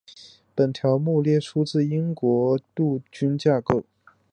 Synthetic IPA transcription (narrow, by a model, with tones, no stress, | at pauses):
pə˨˩nt̪ʰjɑ˧˥ʊmu˥˧ljɛ˥˩ʈ͡ʂʰu˥t͡sɹ̩˥˩i˥ŋkwɔ˧˥t̪u˥˩t͡ɕy˥nt͡ɕja˥˧ko˥˩ʊ